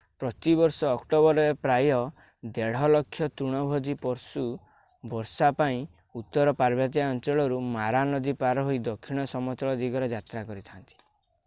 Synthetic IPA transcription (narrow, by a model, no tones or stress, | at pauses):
pɾɔt̪ibɔɾsɔːkʈɔbɔɾɔɾepɾajɔ | d̪eɽ̤ɔlɔkʰːjɔt̪uɽ̃ɔbʱɔd̪ipɔɾsu | bɔɾsapaĩ | ut̪ːɔɾɔpaɾbʱjɔt̪̬iaɔnt͡ʃɔɭɔɾumaɾanɔd̪ipaɾɔɦoid̪ɔkʰːiɽ̃ɔsɔmɔt̪ɔɭɔd̪iɡɔɾed͡ʒat̪ɾakɔɾit̪ʰant̪i̥